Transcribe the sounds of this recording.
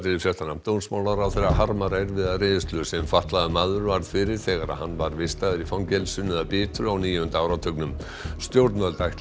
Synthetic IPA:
t̪ɪɾɪfjɛst̪anam̥t̪ownsmaːwlaɾawθeɾaɦaɾmaɾɛɾvɪðarɪːðʏst̪lʏsɛmfaht̪laðʏmaðʏɾvaɾð̥fɪɾɪɾ̥θɛːɣaɾa̰ðhanːvaɾvɪst̪aðɪɾifawncɛlsʏnːʏðapɪːt̪ɾʏawniːjhʏnt̪aːwɾat̪ʰœknʏm | st̪jowɾt̪nvœlt̪ajht̪

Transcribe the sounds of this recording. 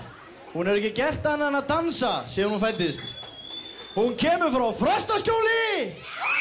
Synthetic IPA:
hunɛɾɛhcɪcɛr̥t̪anːanat̪ansasjɛːɾhunfajt̪ːɪst̪ | huncʰɛːmʏɾfɾawfɾœst̪ascoːwlɪ

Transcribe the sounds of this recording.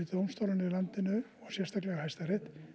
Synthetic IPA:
ɪt̪ʏowmst̪owlanɪilant̪ɪnʏɔɣsjɛrst̪ʰaklɛɣahajst̪aɾɪht̪

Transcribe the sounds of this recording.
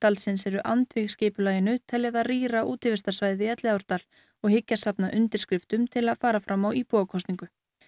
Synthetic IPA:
t̪alsɪnsɛɾʏʔant̪vɪɣscɪːpʏlaːjɪnʏt̪ʰɛljaðariːɾaʔuːt̪ɪvɪst̪ḁsvaːjðɪɛt̪lɪðawɾ̥t̪al | ɔɣhɪcːasapnaʔʏnt̪ɪɾ̥skɾɪft̪ʏmt̪ʰɪlaðfaːɾafɾamawipɔːɣkʰɔst̪niŋkʏ

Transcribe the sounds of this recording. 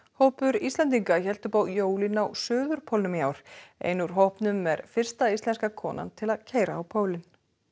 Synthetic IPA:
howhpʏɾist̪lɛnt̪̬iŋkaçɛl̥t̪ʏpaːwjoːwlɪnawsœːðʏɾ̥pʰɔlnʏmjaːwɾ̥ḛjnʏɾ̥ɦowhpnʏmːɛɾfɪr̥st̪aist̪ɛnskakʰɔːna̰nt̪ʰɪlaðcʰeːjɾaːwpʰoːwlɪn

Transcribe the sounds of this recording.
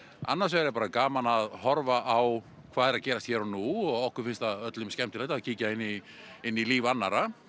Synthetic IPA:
a̰nːaɾ̥svɛɾɪpaːɾakaːmanaðhɔɾvaʔaw | kʰv̥aːðɛɾaðcɛːɾast̪çɛːɾanuɔɣɔhkʏɾ̥fɪnst̪aðœt̪lʏmskɛmt̪ɪlɛht̪aðciːcaɪnːi | ɪnːiliːvanːaɾa

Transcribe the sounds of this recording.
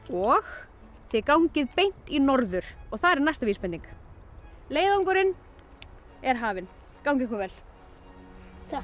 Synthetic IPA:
ɔx | θɛkawɲcɪðpejn̥t̪inɔɾðʏɾ̥ɔɣθaðɾɛɾnajst̪aviːspɛnĩŋk | leːjðaawŋkʏɾɪn | ɛɾ̥ɦaːvɪn | kawŋcɪkʏvɛl

